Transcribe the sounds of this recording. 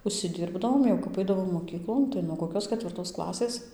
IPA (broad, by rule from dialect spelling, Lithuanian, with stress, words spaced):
ʊʃʲsʲɪˈdʲɪrbdɐʋoːm jɛʊ kɐp ˈɐɪdɐʋoːm moːˈkʲiːklˠoːn tɐɪ nuɔ koːˈkʲoːs kʲɛtʲʋʲɪrˈtoːs ˈklˠɑːsʲeːs